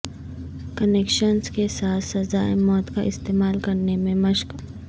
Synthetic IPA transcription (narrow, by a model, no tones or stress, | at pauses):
kəneːkʃənskesaːt̪ʰsɐzaːmɔːt̪kaʔɪst̪eːmaːlkɐɾnemẽmɐʃk